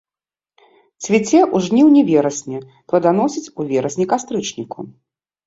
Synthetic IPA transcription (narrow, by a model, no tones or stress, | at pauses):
sʲvʲit͡sʲɛʔuʐnʲiwnʲɛvʲɛɾɐsʲnʲɛ | p̪lɐd̪an̪ɔsʲit͡sʲuvʲɛɾɐsʲnʲikast̪ɾɨt͡ʂnʲikṵ